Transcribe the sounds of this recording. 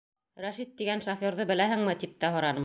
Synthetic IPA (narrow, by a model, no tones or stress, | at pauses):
ɾæʃit̪ːiɡænʃofʲoɾðɤbɘ̆læɦɘ̆ŋmɘt̪ip̚t̪æɦŏɾɑnɤm